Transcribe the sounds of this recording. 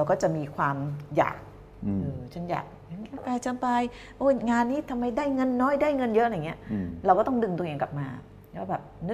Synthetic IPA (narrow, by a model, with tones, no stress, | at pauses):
ɾa˧wkɔː˥˩t͡ɕa˨˩ʔmiː˧kʰwaː˧mja̰ː˨˩k̚ | ʔɤː˧t͡ɕʰa˦˥nja̰ː˨˩k̚a˧˦nka˦˧˥pɛː˧t͡ɕʰa˧˥mpa˧j | ʔoː˧˩ŋaː˧nːiː˥˩t̪ʰa˧mːa˧jdaː˥˩jŋɤ˧nːɔː˦˥˩jdaː˥˩jŋɤ˧njɤ˦˥ʔla˧˨˩ŋːi˦˥ɐʔɾwkɔː˥˩t̪ɔ˥˩ŋdɯ˧ŋt̪u˧ʔeː˧ŋka̰˨˩p̚maː˧˦ | aː˥˩bɛː˨˩p̚nɯ˦˥